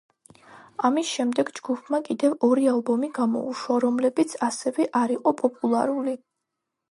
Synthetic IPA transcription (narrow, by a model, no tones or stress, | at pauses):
amisʃɛmd̪ɛɡd͡ʒɡupʰmakʼid̪ɛvɔɾialˠbɔmiɡamɔ̰uʃwaɾɔmlɛbit̪sʰasɛvɛʔaɾiqʼɔpʼɔpʼulˠa̰ɾuli